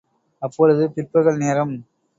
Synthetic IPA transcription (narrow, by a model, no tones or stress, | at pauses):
ɐpːɔɻɯðɯpɪrpɐɣɐɭneːɾɐm